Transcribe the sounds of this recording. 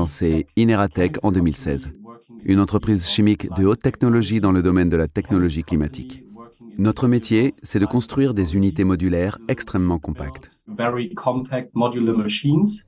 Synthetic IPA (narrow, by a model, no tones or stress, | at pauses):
ɑ̃seineʁat̪ɛkɑ̃d̪ømilsɛ̰zynɑ̃t̪χəpχizʃimikd̪əot̪ːɛknɔlɔʒid̪ɑ̃ləd̪ɔmɛnd̪əlat̪ɛknɔlɔʒiklimat̪ʰḭknɔt̪χəmet̪jesɛd̪əkɔ̃st̪χɥiʁd̪ezynit̪emɔd̪ylɛʁɛkst̪χɛmːɑ̃kɔ̃pa̰kt̪ | vɛɹikʰɔ̃mpʰæk̚t̚mɔdjuləməʃĩns